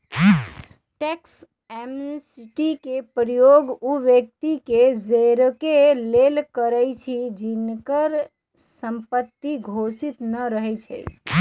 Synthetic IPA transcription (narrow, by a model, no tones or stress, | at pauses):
ʈeks | emnisiʈikepɾəjoɡuʋjək̚t̪iked͡ʒeɾkelelkəɾəjt͡ʃʰid͡ʒinkəɾ | səmpət̪ːiɡʱosit̪nəɾəɦɛt͡ʃʰɛ̰